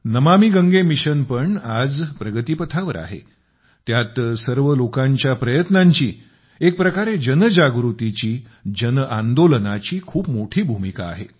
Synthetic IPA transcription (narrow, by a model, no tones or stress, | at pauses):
nəmamiɡəŋɡemiɕənpəɳad͡zpɾəɡət̪ipət̪ʰaʋəɾa̰ɦḛ | t̪jat̪səɾʋəlokãɲt͡ɕjapɾəjət̪naɲt͡ɕḭː | ek̚pɾəkaɾed͡ʑənəd͡ʑaɡɾut̪it͡ɕiː | d͡ʑənəʔand̪olənat͡ɕiːkʰuːpmoʈʰiːbʱumika̰ːɦḛ